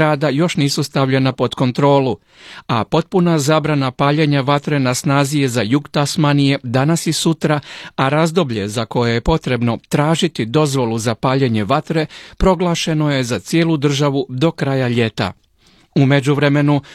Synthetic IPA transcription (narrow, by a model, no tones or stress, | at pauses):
ɾaːd̪ajo̞ʃniːsust̪aʋʎe̞napo̞d̪ko̞nt̪ɾo̞ːlu | apo̞t̪̚punazaːbɾanapaːʎe̞ɲaʋat̪ɾe̞nasnaːzije̞zajuɡt̪asmanije̞d̪anasisut̪ɾaaɾazd̪o̞bʎe̞zako̞jeje̞po̞t̪ɾe̞bno̞t̪ɾaːʒit̪id̪o̞zʋo̞lˠuzapaːʎe̞ɲe̞ʋat̪ɾe̞pɾo̞ɡlˠaːʃe̞no̞je̞zat̪sje̞ːlud̪r̩ʒaʋud̪o̞kɾajaʎe̞t̪a̰ | ume̞d͡ʑuʋɾe̞me̞nu